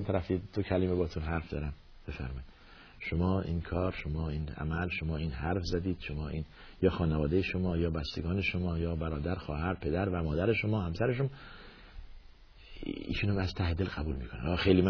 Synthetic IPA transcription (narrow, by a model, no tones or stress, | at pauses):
nt̪ʰæɾæfid̪̥okʰælimebɒːt̪ʰunɦæɾfd̪ɒːɾæm | b̥e̞fæ̰ɾmɒːjid̪ | ʃomɒːḭːnkʰɒːɾʃomɒːiːnæ̰mælʃomɒːiːnɦæɾfzæd̪iːd̪̥ʃomɒːʔiːn | jɒːxɒːnevɒːd̪ejeʃomɒːjɒːbæst̪eɡɒːneʃomɒːjɒːbæɾɒːd̪æɾxɒ̰ːhæɾpʰe̞d̪æɾvæmɒːd̪æɾeʃomɒːhæmsæɾeʃom | ḭːʃuːnhæmæz̥t̪ʰæhed̪e̞lɡæbuːlmiːkʰonæ̰ɒxejliːm